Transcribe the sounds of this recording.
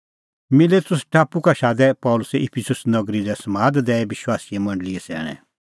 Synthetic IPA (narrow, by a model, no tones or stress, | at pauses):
mɪleːt̪ʊsʈaːpukaʃaːd̪ɛpɔːʊlʊsɛʔɪpʰɪsʊsnɐɡɾidɛsɐmaːd̪d̪ɛːɛʋɪʃwaːsijɛ̃mɐ̃ɳɖliɛsɛ̰ːɽ̃ɛ̰̃